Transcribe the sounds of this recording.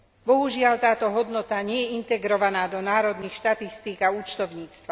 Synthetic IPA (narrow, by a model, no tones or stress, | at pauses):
bɔɦuʒɪalt̪aːt̪ɔɦɔd̪nɔt̪aɲɪɛjɛint̪ɛɡɾɔʋanaːd̪ɔnaːɾɔd̪niːxʃt̪at̪ist̪iːkauːt͡ʃt̪ɔʊɲiːt͡st̪ʋa